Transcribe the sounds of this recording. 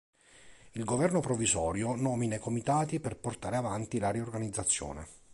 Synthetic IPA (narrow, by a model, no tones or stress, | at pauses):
ilɡovɛrnopɾovizɔːɾjonɔːminajkomit̪aːt̪iperport̪aːɾeavant̪ilaɾiorɡanid̪zːat̪sːjɔ̰ːnḛ